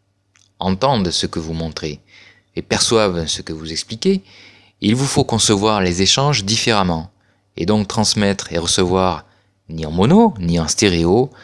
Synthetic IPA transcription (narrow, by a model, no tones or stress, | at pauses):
ɑ̃t̪ɑ̃d̪səkəvumɔ̃t̪χe | epɛʁswavsəkəvuzɛksplikʲe | ilvufokɔ̃səvwaʁlezeʃɑ̃ʒd̪ifeʁamɑ̃ | ḛd̪ɔ̃kt̪χɑ̃smɛt̪χeʁəsəvwaʁ | niɑ̃mɔnoniɑ̃st̪eʁeo